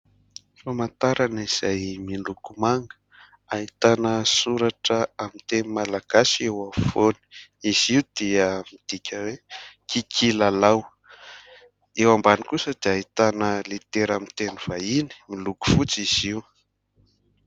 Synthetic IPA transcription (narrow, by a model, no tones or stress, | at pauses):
famant̪aɾaniz̥ajmilukumaŋɡə̥ | aɦit̪anəsuɾaʈ͡ʂəamit̪enimalaɡ̥asiewafoni̥iz̥iud̪̥iəmid̪̥ikʲəwekikʰilalaw | ewambani̥kusəd̪eaɦit̪anəlit̪eɾamint̪eniv̥aini̥miluku̥fut͡siz̥iw